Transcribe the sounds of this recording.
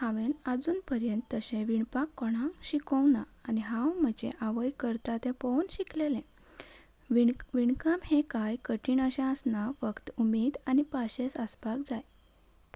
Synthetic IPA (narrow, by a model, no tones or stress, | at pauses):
hãʋenəd͡zuːnpəɾjənt̪ːəɕẽʋiɳpakːɔɽ̃ãŋkɕikəwnaːniɦãwm̤əd͡ʑḛ̃ʔaʋəjkəɾt̪at̪ẽpownɕiklelẽ | ʋiɳkamhẽkajkəʈiːɳəɕãəsnafəkt̪umed̪anipaɕesəspakd͡zaj